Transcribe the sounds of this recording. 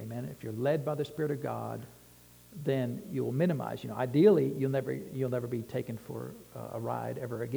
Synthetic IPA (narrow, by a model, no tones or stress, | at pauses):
eɪmɛ̃nɨ̰fjə˞lɛd̚baɪðɨspɪɹɨɾʌvɡɑ̰d̪̚ | ðɨ̃njɨɪlˠmɪ̃ñɨma̰ɪz̥jɨnoʊʔaɪdil̩ˠijɨl̩ˠnɛvə̰˞julˠnɛvə˞bitʰeɪkɨ̃nfə̰˞ə̰ɹa̰ɪɾɛvə˞ɨɡɛ